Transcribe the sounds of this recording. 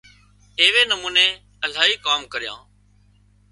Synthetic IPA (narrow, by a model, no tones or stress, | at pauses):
eːʋeːnəmuːneː | əl̤aːɦiːkaːmkəɾɪjã̰ː